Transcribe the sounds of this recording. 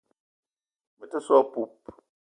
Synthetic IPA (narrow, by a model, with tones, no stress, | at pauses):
mɨ˨tə˦sɔ˦pu˦p̚